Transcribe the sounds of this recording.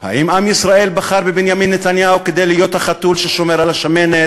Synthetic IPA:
ha̰ʔimamjisʁae̞lbaχaʁbebinjaminːet̪anjauked̪e̞jliːjo̞t̪haχat̪ulʃeʃo̞me̞ʁalaʃamenet

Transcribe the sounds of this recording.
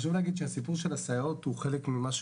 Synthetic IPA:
ʃ̬uvleaɡid̪ʃehasipuʁʃelasaeʁot̪huχelekmimaʃ

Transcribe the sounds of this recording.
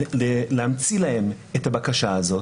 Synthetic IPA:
elehamt͡silahe̞m | ethabakaʃaːzo̞t

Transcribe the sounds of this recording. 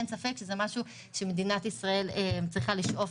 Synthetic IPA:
nsafekʃezemaʃu | ʃeme̞d̪inat̪isʁae̞lemt͡sʁiχaliʃʔo̞f

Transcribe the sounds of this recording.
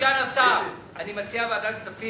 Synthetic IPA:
anasa | animɐt͡siabadansɐfi

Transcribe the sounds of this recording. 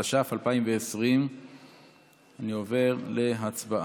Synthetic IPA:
aʃafalpaimveːsʁim | anio̞ve̞ʁle̞ɦat͡sbaʔ

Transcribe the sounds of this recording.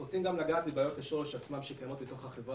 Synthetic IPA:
ot͡simɡamlaɡaːt̪mibaːjo̞t̪aʃoleʃat͡smamʃekajamo̞t̪bito̞χhaχevʁa

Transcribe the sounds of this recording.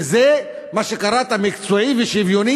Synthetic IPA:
ze | maʃekaɾat̪amikt͡suaiveʃivjoni

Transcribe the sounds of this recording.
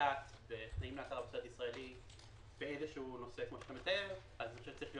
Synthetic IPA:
at | beχnaimleat̪aʁabsotisʁaeli | b̥eezeʃuuno̞sekmo̞ʃeat̪amet̪aeʁ | aznnioʃet͡sːaʁiχlijo

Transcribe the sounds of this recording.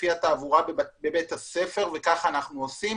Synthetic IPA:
fiat̪aːvuʁabe̞bet̪hase̞fe̞ʁvekaχaːnaχnuosi

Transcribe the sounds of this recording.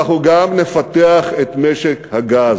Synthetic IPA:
χuɡamne̞fat̪eaχet̪meʃekhaɡaz

